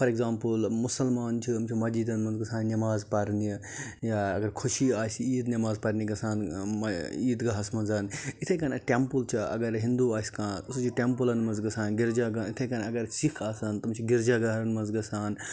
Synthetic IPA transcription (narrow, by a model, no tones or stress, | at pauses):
pʰɐɾeɡzaːmpɨlmusɐlmaːnt͡ʃʰiɐmt͡ʃʰimɐd͡ʒid̪ɐnmɐnzɡɐsaːnːɐmaːzpɐɾni | jaɐɡɐɾkʰuʃiaːsiːd̪nʲɐmaːzpɐɾniɡɐsaːnmɐiːd̪ɡɐɦɐsmɐnzɐnit̪ʰɐkɐnɐʈempult͡ʃʰiɐ̰ɡɐɾɦind̪uaːsʲkaːusut͡ʃʰiʈempulɐnmɐnzɡɐsaːnɡiɾd͡ʒaɡɐit̪ʰɐkɐnɐɡɐɾsikʰaːsɐnt̪ɐmt͡ʃʰiɡiɾd͡ʒaɡɐɦɾɐnmɐnzɡɐsaːn